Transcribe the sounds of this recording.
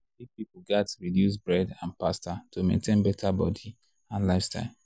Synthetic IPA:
ifpip̩ɡatɹidjus̬bɹɛdãnpastatʰomḛ̃ntʰẽnbɛtʰabɔdi | ãnlaɪfsta̰ɪl

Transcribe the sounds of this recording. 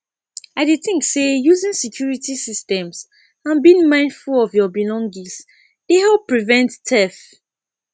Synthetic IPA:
aɪdeθĩŋksejuzĩnsikʰjuɹitisistɛ̃ms | ãnbiĩŋmãɪ̃ndfulɔvjɔbilɔ̃ŋɡĩs | d̥ehɛlppːɹivɛ̃ntːʰɛθ

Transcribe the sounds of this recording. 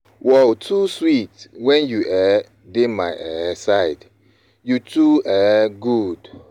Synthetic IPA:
wɛltʰuswitwɛ̃njuʔɛ | demaɪʔɛsaɪd | jutʰuɛɡud̥

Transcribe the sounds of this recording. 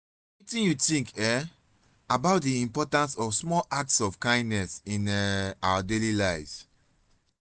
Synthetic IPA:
witĩnjutĩŋkɛ | abaʊt̚diĩmpɔtãnsɔfsmɔlʔak̚tsɔfkãɪ̃ndnɛsĩnɛawadelilaɪvz̥

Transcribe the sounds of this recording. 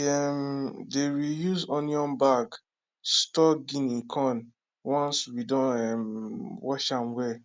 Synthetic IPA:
ɛmdeɹijuzɔ̃njɔ̃nbak | stɔɡĩnĩkʰɔ̃n | wɔ̃nswidɔ̃nɛmwɔʃãmwɛ

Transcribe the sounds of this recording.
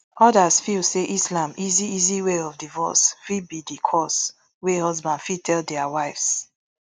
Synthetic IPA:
ʔɔdazfilseʔislãmʔiziiziweɔvdivɔ̰sfibidikʰɔs | wehɔzbãndfitʰɛldɛawaɪfs

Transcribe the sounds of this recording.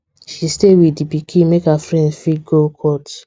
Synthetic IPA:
ʃistewiipikʰĩmekhafɹɛ̃ndfiɡokʰɔt

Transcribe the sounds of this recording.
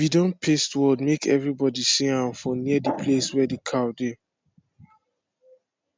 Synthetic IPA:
bidɔ̃npʰestwɔdmekʰɛvɹibɔdisĩãnfɔ̃niədipʰleswɛdekʰade

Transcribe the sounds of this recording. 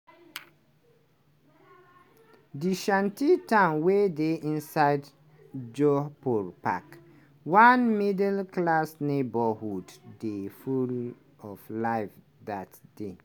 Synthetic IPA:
diʃãntitãʊnwedeʔĩnsaɪd | d͡ʒɔpɔɹpa̰k | wãnmidɛlklasnebəhudːeful | ɔflaɪf | datd̥e

